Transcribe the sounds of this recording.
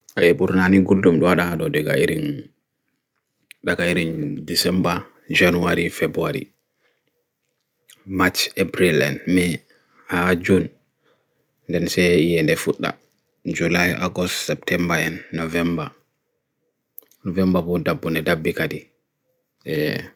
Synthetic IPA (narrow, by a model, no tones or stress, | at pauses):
ʔaɛɓuɾnaniɡuldumɗɔwaɗaɗɔdɛɡa̰iɾin | ɗakaiɾindisɛmba | d͡ʒanuaɾifebuaɾḭ | mat͡ʃebɾilɛ̰nmɛ | had͡ʒun | ndɛnsɛijɛndɛfuɗːa̰ | d͡ʒulajʔa̰ɡɔstsɛp̚tʰɛmbaɛnːɔvɛmba | nɔvɛmbabɔdabːunɛdabːikadi | ʔɛ